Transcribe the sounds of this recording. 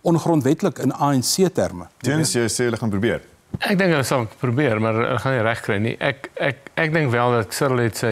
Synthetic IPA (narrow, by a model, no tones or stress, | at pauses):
ɔnχrɔntvɛtələkənɑːɛnsiətæ̰rmə̰tiənsjɛseːɦələχɑːnpɾubiər | æk̚dəŋkɦələsɐlˠprubiəɾmɐrə̰ləχɑniræχkrəjnḭʔækɛkæk̚dəŋkvælˠdɐtsəɾəlɦɛtsə